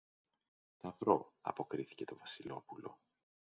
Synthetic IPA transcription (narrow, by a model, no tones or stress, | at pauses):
t̪ɐvɾo̞ɐ̰po̞kɾiθi̥ce̞t̪o̞vɐsilo̞pulo̞